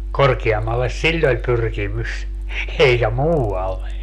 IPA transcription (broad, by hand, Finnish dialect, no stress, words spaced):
korkiɑmːɑlːes silʲl olʲ pyrkimys eikæ muːɑlːe